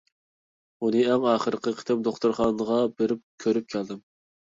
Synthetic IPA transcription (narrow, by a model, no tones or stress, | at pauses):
unɨɛŋɑːχəɾɨqʰəqʰə̥t̪ʰɪmd̪oχt̪uɾχɑːnəʁɑbeɾɪp̚kʲʰøɾyp̚kʲʰæld̪ɪm